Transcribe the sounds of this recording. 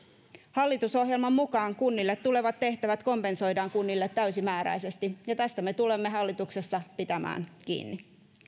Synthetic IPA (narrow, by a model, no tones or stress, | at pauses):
hɑlːit̪uso̞hjelmɑmmukɑːŋkunːilːet̪ːule̞ʋɑt̪ːe̞ht̪æʋæt̪ko̞mpe̞nso̞jdɑːŋkunːilːet̪ːæysimæːɾæ̰ijse̞st̪ijɑt̪æst̪æme̞t̪ule̞mːe̞ɦɑlːit̪ukse̞sːɑpit̪æmæ̰ːnkḭːnːi